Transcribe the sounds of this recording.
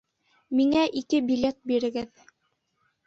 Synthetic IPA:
miŋæʔikɘbilʲet̪̚biɾɘ̆ɡɘð

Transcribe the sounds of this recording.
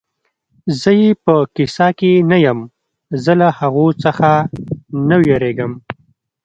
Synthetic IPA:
zəjepəkɪsɑkenajəm | zəlahaɣot͡səxa | nawjeɾeɡəm

